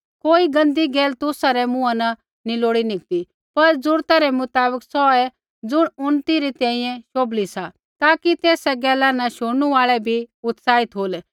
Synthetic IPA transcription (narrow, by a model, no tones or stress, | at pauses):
koːiɡɐ̃nd̪iɡeːlt̪ʊsaɾɛmʊ̃anɐ | nɪloːɽinɪk̚t̪i | pɐɾd͡zʊɾt̪aɾɛmʊt̪aːbəksɔɛ | d͡zʊɽ̃ʊnt̪iɾit̪ɛ̃ːĩjɛ̃ʃoːblisa | t̪aːkit̪eːsɛɡɛːlanɐʃʊɽñuaːɭɛbʱiʊt̪saːit̪ɦoːlɛ